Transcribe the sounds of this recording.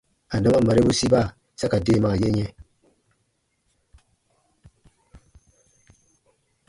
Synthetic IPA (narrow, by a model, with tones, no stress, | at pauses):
a˨da˦ma˦ma˨ɾe˦bu˦si˦ba˦˨ | sa˦ka˨deː˦˨ma˨je˦ɲɛ˦